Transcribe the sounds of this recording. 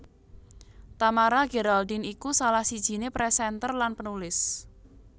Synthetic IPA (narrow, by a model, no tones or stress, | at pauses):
t̪amaɾaɡ̥eɾald̪inikusalahsid̥ʒ̥i̤nepɾɛsɛnt̪ərlanpənulɪs